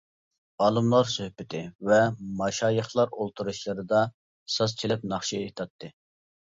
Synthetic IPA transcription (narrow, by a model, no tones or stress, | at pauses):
ɑːlˠɨmlˠɑɾsøhpɪt̪ʰɪvɛmɑʃɑːjəχlˠɑɾolˠt̪ʰuɾuʃlˠɨɾɨd̪ɑ | sɑst͡ʃʰelɪp̚nɑχʃiet̪ʰɑt̪ʰːɨ